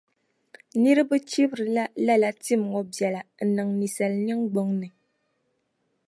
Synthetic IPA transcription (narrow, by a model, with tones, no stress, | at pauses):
nɨ˦ɾɨ˦bɨ˦t͡ʃi˦bɾɨ˨la˦la˦la˨ti˦˨m˨ŋɔ˨bjɛ˨la˨nɨ˨ŋni˨sa˨lɲɛ˦ŋɡ͡bo˦ŋnɨ˨